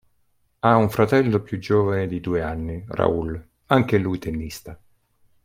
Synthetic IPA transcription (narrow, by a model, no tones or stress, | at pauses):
auɱfɾat̪ɛlːopjud͡ʒoːvaned̪id̪uːeanːira̰ul | aŋk̟elujt̪ʰenːist̪a